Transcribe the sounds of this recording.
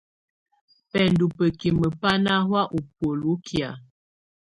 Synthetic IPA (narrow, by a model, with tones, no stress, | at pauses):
pɛ˨ndu˨pə˨ki˨mə˨pa˦na˦hwa˦ʔu˨pwo˨lu˦kʰja˨